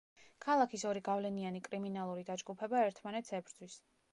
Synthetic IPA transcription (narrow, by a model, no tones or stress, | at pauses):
kʰalˠakʰisɔɾiɡavlɛnianikʼɾiminalˠuɾid̪ad͡ʒɡupʰɛbaɛɾt̪ʰmanɛt̪sɛbɾd̪zwis